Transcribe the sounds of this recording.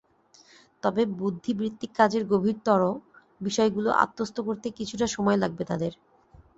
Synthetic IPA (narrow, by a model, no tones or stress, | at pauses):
t̪ɔbebud̪ʱːibɾit̪ːikːad͡ʑeɾɡobʱiɾt̪ɔɾo | biʃɔeɡulo̰ʔa̰t̪ːost̪ʰokoɾt̪ekit͡ɕʰuʈaʃɔmɔelaɡ̚bet̪ad̪eɾ